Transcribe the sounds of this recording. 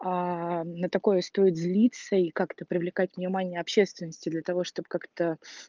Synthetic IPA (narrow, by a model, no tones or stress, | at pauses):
anət̪ɐko̞jəst̪o̞ɪt̪zʲlʲit̪səikakt̪əpɾʲɪvlʲɪkatʲvʲnʲɪmanʲɪjəɐpɕːe̞st̪vʲɪnːəsʲtʲɪd̪lʲət̪ɐvo̞ʂt̪o̞bkakt̪ə